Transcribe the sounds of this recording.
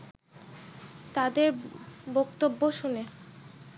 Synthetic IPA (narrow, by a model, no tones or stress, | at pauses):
t̪ad̪eɾbokt̪obːoʃune